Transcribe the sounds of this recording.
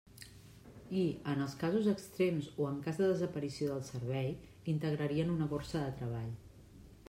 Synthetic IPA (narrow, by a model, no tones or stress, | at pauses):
iənəlˠskazuzəkst̪ɾemzoəŋkazðəðəzəpəɾisioðəlˠsəɾβɛj | int̪əɣɾəɾiənunəkorsəðət̪ɾəβ̞aʎ